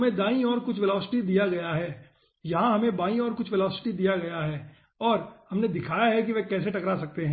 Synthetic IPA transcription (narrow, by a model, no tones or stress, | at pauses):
mẽd̪aːĩɔːɾkʊt͡ʃʰʋɛlɔːsɪ̥ʈid̪ijaɡɐjaɦɛː | jɐɦãɦɐmẽbaːĩɔːɾkʊt͡ʃʰʋɛlɔːsɪ̥ʈid̪ijaɡɐjaɦɛː | ɔːɾhɐmned̪ɪkʰaːjaɦɛk̬iʋɛkɛːseʈɐkɾasɐk̚t̪eɦɛ̃ː